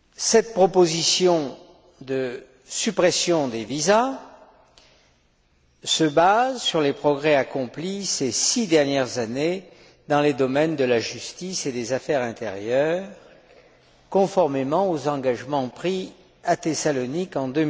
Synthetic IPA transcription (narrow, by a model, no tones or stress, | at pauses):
sɛt̪̚pχɔpozisjɔ̃ | d̪ə | sypχɛsjɔ̃d̪eviza | səbazsyʁlepχɔɡʁɛakɔ̃plisesid̪ɛʁnjɛʁzane | d̪ɑ̃led̪ɔmɛnd̪əlaʒyst̪ised̪ezafɛʁɛ̃t̪ḛʁjœʁ | kɔ̃fɔʁmemɑ̃ozɑ̃ɡaʒmɑ̃pχi | at̪esalɔnikɑ̃d̪ø